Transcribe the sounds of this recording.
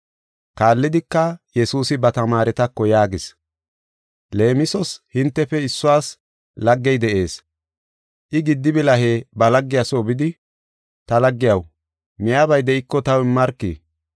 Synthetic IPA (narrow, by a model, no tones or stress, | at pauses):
kaːlːɪd̪ɪkːɐjɛsuːsɪbɐt̪ɐmaːɾɛt̪ɐkːɔjaːɡɪs | le̞ːmɪsɔshɪnt̪ːɛfɛɪsːʊwaːs | lɐɡːɛjd̪ɛʔe̞ːs | ʔɪɡɪd̪ːɪbɪlɐɦeːbɐlɐɡːɪjasoːbɪd̪ɪ | t̪ɐlɐɡːɪjɐw | mɪjaːbɐjd̪ɛʔɪkːɔt̪ɐwɪmːɐɾkːḭ